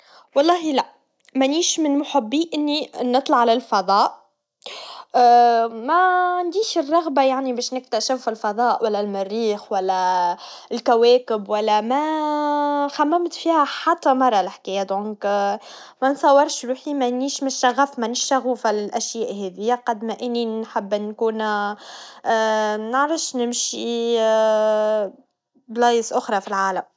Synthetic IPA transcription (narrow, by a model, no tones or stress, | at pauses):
wɑlˤːɑːɦilæʔ | mæniːʃmɪnmʊħɪbːiːʔɪnːinɨt̪ˤlɑʕːalælfɑðˤɑːʔ | mæʕand̪iːʃɪrˤːɑɣbajaʕnibɛːʃnɪk̚t̪æʃɪfɪlfɑðˤɑːʔwælːælmɪrːiːxwælːæ | ɪlkæwɛːkɪbwælːæmæ | xæmːæmt̪fiːhæħat̪ːæmɑɾˤːɑlɪħkæːjæd̪õːŋk | mænsˤɑwːɑɾˤʃɾuːħimænːiːʃmɪʃæɣːæfmænɪʃt̪æɣuːfalɪlʔæʃjæːʔɦɛðɪjːæqɑd̪mæʔɪnːinħɪbːʔɪnːkuːn | nəʕɾɑfʃnɪmʃi | blɑːjəsʔʊxɾˤɑfilʕaːlæm